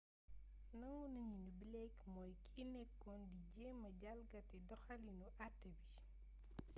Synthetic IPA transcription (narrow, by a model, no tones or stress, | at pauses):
nɐŋunɐɲinubilɛkmɔːjkʰinɛkːɔndiɟɛːmːɐɟalɡɐtɛdɔxɐlinuʔatɛbi